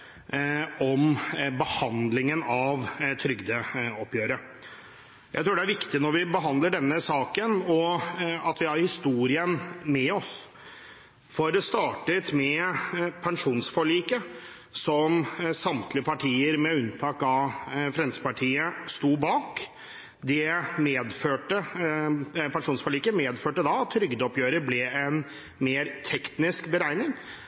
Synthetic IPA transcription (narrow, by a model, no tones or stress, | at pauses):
ɔmbəhɑnd̪lɪŋənɑʋt̪ʰɾʏɡd̪əɔpːjøːɾə | jæɪt̪ɾuːɖɛæɾʋɪkt̪ɪnɔɾʋɪbəɦɑnd̪ləɖɛnːəsɑːkənɔɑt̪ʋɪhɑɾhɪst̪uːɾɪənmɛɔs | fɔɾɔst̪ɑːʈət̪mɛpʰɛŋʂuːnsfɔɭiːkə | sɔmsɑmt̪lɪəpʰɑʈʰiːəɾmɛʉnt̪ʰɑːkɑfɾɛnsəpɑʈʰiːəst̪uːbɑːk | d̪ɛmeːd̪føːʈə | pʰɛnʂuːnsfɔɭiːkəmeːd̪føːʈəd̪ɑɑt̪ʰːɾʏɡd̪əɔpjøːɾəɾblɛɛn | meːɾt̪ʰɛkt̪nɪskbəɾæɪnɪŋ